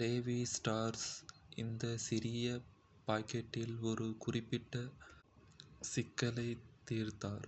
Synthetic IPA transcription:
leːʋisʈaːɾsɪ̰nd̪ɐsɪɾɪjɐ | paːkːɐʈːɪlɔɾɯkʊrɪpːɪʈːɐ | sɪkːɐlɐɪt̪ːiːɾt̪aːɾ

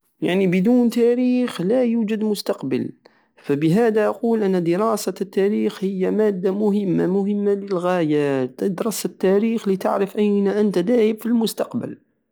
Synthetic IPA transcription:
jaʕnibəd̪uːnt̪æɾiːxlæjuːd͡ʒəd̪mʊst̪ɑqbə̰l | fæbəɦæːd̪aʔɑquːlʔænːæd̪əɾɑːsat̪ːæɾiːxhəjːamæːd̪ːamʊɦəmːamʊɦəmːaləlɣaːjad̪ɾˤɑːsat̪ːæɾiːxlit̪aʕɾəfʔæjnaʔənt̪ad̪æːhəbfilmʊst̪ɑqbə̰l

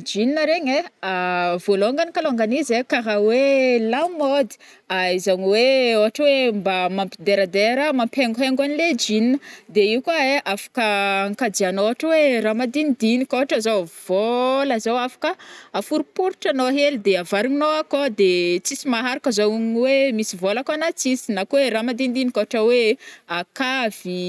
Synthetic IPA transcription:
d͡ʒininəɾeɲeavoloŋɡanikaloŋɡanizekaɦawelamod̪i̥ | aizaŋiweoaʈ͡ʂəwembamampid̪eɾəd̪eɾəmampeŋɡuɦeŋɡaniled͡ʒininəd̪eiwkaeʔafḁkəaŋkad͡ʒianoaʈ͡ʂəweramad̪ind̪inikoɦaʈ͡ʂəzov̥olazawafḁkəafuɾupuɾuʈ͡ʂanoaɦelid̪eavaɾuŋnoakod̪et͡sisimaɦaɾakəzoŋwemisivolakanat͡sisinakweramand̪ind̪inikoaʈ͡ʂəweakav̥i

